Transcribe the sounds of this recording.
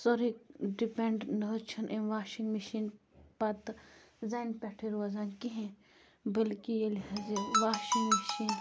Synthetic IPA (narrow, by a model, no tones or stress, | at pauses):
soɾikɖipẽɳɖnɐt͡ʃʰɐnʔẽʋaːʃiŋɡmiʃiːn | pɐt̪ | zaːnpɛʈʰeɾɐzaːnkiɦẽ | bɐlkijeliɦaziʋaːʃiŋɡmiʃiːn